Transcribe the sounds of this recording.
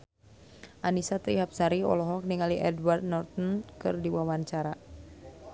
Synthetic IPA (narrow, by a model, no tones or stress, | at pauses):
ʔanisat̪ɾiɦap̚saɾiɔ̰lɔɦɔk̚niŋaliʔɛdward̪̚nɔrt̪ɔnkɨrdiwawaɲt͡ʃaɾa